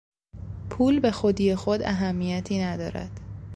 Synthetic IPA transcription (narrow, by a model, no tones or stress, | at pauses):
pʰuːlbe̞xod̪ijexod̪æɦæmːijæt̪ʰiːnæd̪ɒ̰ːɾæ̰d̪̥